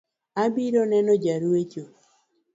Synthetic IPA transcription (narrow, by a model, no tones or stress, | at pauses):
abiɾonɛnɔd͡ʒaɾwet͡ʃo